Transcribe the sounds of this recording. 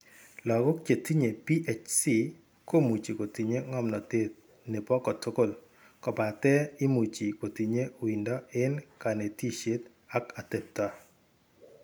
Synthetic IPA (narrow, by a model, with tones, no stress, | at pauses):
lɔ˨ɡɔ˦kt͡ʃe˨t̪ʰi˦ɲe˨pi˦ʔɛ˨t͡ʃsi˦ | ko˦mu˨t͡ʃi˨ko˨ti˨ɲe˦ŋɔ˦mnɔ˨t̪e˦t̪̚ | ne˨pɔ˦kɔ˨tʊ˦ko˦˨l | kɔ˨pa˨t̪ɛ˦ɪ˦mu˨t͡ʃi˨ko˨t̪i˨ɲe˦˨wi˨ndɔ˦ɪ˦nka˨ne˨ti˦ʃe˦t̪ | a˦ka˨t̪e˨p̚ta˦